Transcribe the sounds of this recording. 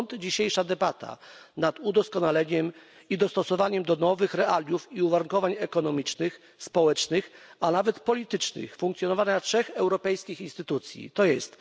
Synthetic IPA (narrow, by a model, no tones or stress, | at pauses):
nt̪d͡ʑiɕejʂad̪ɛbat̪ʰa̰nat̪ud̪ɔskɔnalɛɲɛm | id̪ɔst̪ɔsɔvaɲɛmd̪ɔnɔvɘxɾɛʔalʲjufiuvaɾuŋkɔvaɲɛkɔnɔmʲit͡ʂnɘx | spɔwɛt͡ʂnɘxanavɛt̪pɔlʲit̪ɘt͡ʂnɘ̰xfuŋkt̪sʲjɔnɔvaɲatʂɛxɛwɾɔpɛjskʲixinst̪ɘt̪ut̪sʲjḭt̪ɔjɛst̪